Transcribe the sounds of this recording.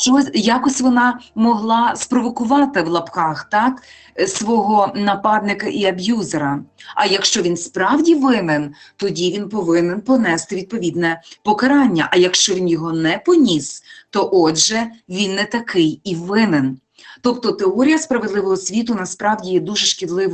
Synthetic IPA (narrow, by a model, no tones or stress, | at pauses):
ʃt͡ʃɔjɑkɔsʲtʲʋɔnɑmɔɦlˠɑspɾɔʋɔkʊʋɑt̪ɪwlˠɐpkɑxt̪ɑk | sʋɔɦɔnɐpɑd̪nɪkɐʔiɐbjuzeɾɐɐjɐkʃt͡ʃɔʋʲinspɾɑwdʲiʋɪmɪnt̪ɔdʲiʋʲinpɔʋɪnɛnpɔnɛst̪ɪʋʲid̪̚pɔʋʲid̪nɛpɔkɐɾɑnʲːɐʔɐjɐkʃt͡ʃɔʋʲinjɔɦɔnɛpɔnʲist̪ɔʔɔd͡ʒʒɛʋʲinːɛt̪ɐkʰɪjiʋɪnɪn | t̪ɔpt̪ɔt̪eɔɾʲijɐspɾɐʋed̪lˠɪʋɔɦɔsʲʋʲit̪ʊnɐspɾɑwdʲijɛd̪uʒɛʃkʲid̪lˠɪʋ